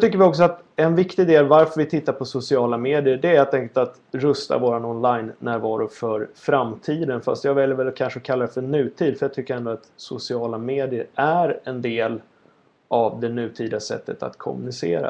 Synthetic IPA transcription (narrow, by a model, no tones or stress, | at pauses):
t̪ʰʏkːəɾvɪɔksɔat̪ | ɛnvɪkt̪ɪɡd̪eːlvaɾfœɾvɪt̪ʰɪt̪ːaɾpʰɔsʊsɪɑːlameːd̪ɪəɖɛheːlt̪ɛŋkːəlt̪at̪ | ɾɵst̪a̰voːɾanɔnlajnːæːɾvɑːɾʊfœɾfɾamt̪ʰiːd̪ənfa̰st̪jɑːɡvɛljəɾvɛlakʰanʂəɔkʰalːaɾɛfœɳʉ̟ːt̪ʰiːd̪fœɾjaɡ̚t̪ʰʏkːəɾɛnd̪ʊat̪sʊsɪɑːlameːd̪ɪəɾæɾɛnd̪eːl | ʔavd̪ɛnʉ̟ːt̪ʰiːd̪asɛ̰t̪ːət̪a̰t̪kʰɔ̰mɵnɪsḛːɾa̰